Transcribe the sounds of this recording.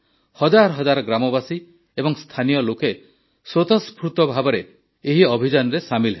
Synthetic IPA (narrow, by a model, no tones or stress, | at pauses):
hɔd͡ʒaɾɔɦɔd͡ʒaɾɔɡɾamɔbasi | ebɔŋst̪ʰanijɔloke | sot̪ɔspʰɾut̪ɔbʱabɔɾe | eɦiɔbʱid͡ʒanɾesamilɦe